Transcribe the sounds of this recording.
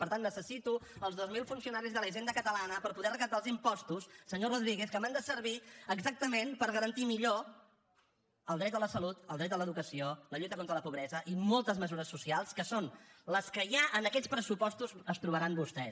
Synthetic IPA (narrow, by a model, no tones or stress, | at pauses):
pəɾt̪anːnəsəsit̪uəlˠzðozmilˠfunsiunaɾizðələʒend̪əkət̪əlanəpəɾpuðɛrəkəpt̪alˠzimpɔst̪usːəɲoruðɾiɣeθkəmand̪əsəɾβ̞iəɡzak̚t̪əmenpəɾɣəɾənt̪imiʎo | əlˠd̪ɾɛt̪d̪ələsəlut̪əlˠd̪ɾɛt̪̚d̪ələðukəsioləʎujt̪əkont̪ɾələpuβɾɛzəʔimolˠt̪əzməzuɾəsːusialˠskəsonləskəjaʔənəkɛt͡spɾəsupɔst̪uzəst̪ɾuβəɾambust̪ɛs